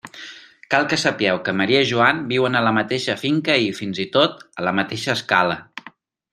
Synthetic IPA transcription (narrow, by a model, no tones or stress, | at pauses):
kalˠkəsəpiɛwkəməɾiəʒuambiwənələmət̪eʃəfiŋkəifinzit̪ot̪ələmət̪eʃəːskalə